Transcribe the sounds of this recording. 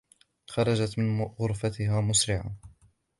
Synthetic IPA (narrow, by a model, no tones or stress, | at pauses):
xɑɾˤɑd͡ʒat̪mɪnɣʊɾfat̪ɪɦaːmʊsɾɪʕa̰